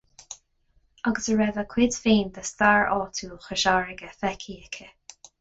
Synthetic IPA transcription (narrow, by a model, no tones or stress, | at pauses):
aɡəsəɹɛvəkʰwɪdfiːnd̪ast̪aɹʔɔːt̪ʰuːxəʃaːɹɪɡəfɛkʰiːɛkʰə